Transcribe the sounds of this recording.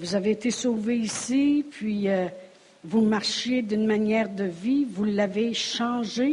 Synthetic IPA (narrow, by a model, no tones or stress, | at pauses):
vuzaveːt̪esoːveisipʰɥiə | vumaʁʃjed̪ynmanjɛːʁd̪əvivulːaveʃɑ̃ːʒe